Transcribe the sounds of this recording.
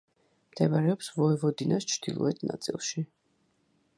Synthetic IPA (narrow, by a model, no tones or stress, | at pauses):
md̪̥ʰɛbaɾɛɔpsvɔɛvɔd̪inast͡ʃʰd̪̥ilˠɔ̰ɛt̪ʰna̰t̪sʼḭlˠʃi